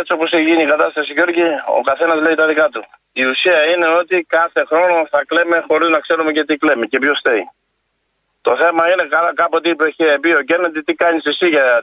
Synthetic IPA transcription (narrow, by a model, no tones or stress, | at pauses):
et͡soposeçʝiɲikɐt̪ɐst̪ɐsicoɾcio̰kɐθe̞nɐzleit̪ɐðikɐt̪u | iusiɐine̞o̞t̪ikɐθe̞xɾo̞no̞θɐkle̞me̞xo̞ɾiznɐkse̞ɾume̞ce̞t̪iklemecepjo̞st̪ei | t̪o̞θe̞mɐine̞kɐlɐkɐpot̪̬ipeçepio̞cenet̪it̪ikɐɲisesiʝɐ